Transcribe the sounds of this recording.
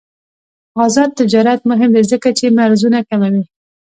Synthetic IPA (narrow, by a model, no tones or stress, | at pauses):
ɑzɑd̪̚t̪ɪd͡ʒɑɾat̪mʊɦɪmd̪ezəkat͡ʃemaɾzunakamawi